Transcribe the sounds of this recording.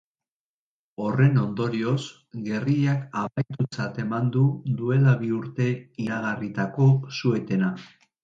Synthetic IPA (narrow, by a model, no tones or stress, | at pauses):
o̞re̞no̞nd̪o̞ɾio̞s | ɣe̞riakaβajt̪ut͡sat̪e̞mand̪uðue̞laβiuɾt̪e̞iɾaɣarit̪ako̞sue̞t̪e̞na